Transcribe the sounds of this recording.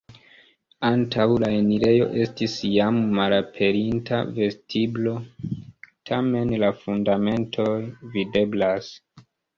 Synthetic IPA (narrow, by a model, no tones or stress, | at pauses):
antʰawlaeniɾe̞jo̞̰ʔe̞stisjamːalapʰe̞ɾintʰa̰ve̞stʰiblo̞ | tʰame̞nlafundame̞ntʰo̞jvide̞blas